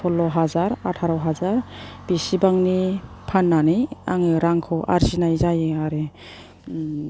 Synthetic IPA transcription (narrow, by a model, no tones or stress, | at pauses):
pʰɔlɔɦazaɾatʰaɾɔwɦazaɾb̥isibaŋnipʰanːanɯjaŋɯɾaŋkʰɔwʔa̰ɾzinajzajeaɾe